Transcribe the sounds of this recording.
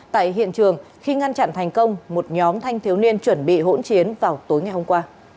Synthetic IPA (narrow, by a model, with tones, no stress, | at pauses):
t̪a̰ː˧˨jɦḭ˧˨ənt͡ɕɨ˨˩əŋ | xi˧ŋa˧nt͡ɕa̰˧˨nt̪ʰa˨˩ŋ̟kə˧wŋ͡mmo˨˩t̚ɲɔ˨˦mt̪ʰa˧jŋ̟t̪ʰi˨˦əwni˧ənt͡ɕwə˧˩nɓḭ˧˨ɦo̰˧˥nt͡ɕi˨˦ənvaː˨˩wt̪o˨˦jŋa˨˩jho˧ŋ͡mkwaː˧